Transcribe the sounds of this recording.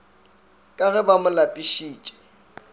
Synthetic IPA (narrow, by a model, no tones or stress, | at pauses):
kʼaɣɛbamʊlapʼiʃiːt͡ʃʼɛ̥